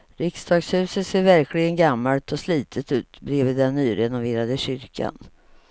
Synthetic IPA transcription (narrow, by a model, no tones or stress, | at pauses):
ɾɪksd̪ɑːɡshʉ̟ːsət̪seːɾvæɾklɪɡənɡamːalt̪ʰɔsliːt̪ʰət̪ʉ̟ːt̪bɾeːvɪd̪ɛnːyːɾɛnʊveːɾad̪əɕʏɾkʰa̰n